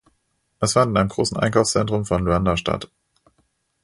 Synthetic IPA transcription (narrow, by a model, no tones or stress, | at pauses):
ʔɛsfantɪnʔaɪəmɡʁoːsn̩ʔa̰ɪnkʰaʊfst͡sɛntʁ̥ʊmfɔnluandaʃta̰t